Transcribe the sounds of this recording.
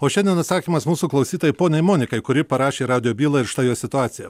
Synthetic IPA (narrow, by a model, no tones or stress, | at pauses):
oːʃʲɛndʲiɛnɐt̪sɑːkʲiːmɐsmuːsuːklˠɐʊsʲiːt̪oːjɪpoːnʲɛɪmoːnʲɪkɐɪkʊɾʲɪpɐɾɑːʃʲeːɾɑːʊd̪ʲɪjoːbʲiːlˠɐɪɾʃt̪ɑːjoːsʲɪt̪ʊɑːt̪sʲɪjɛ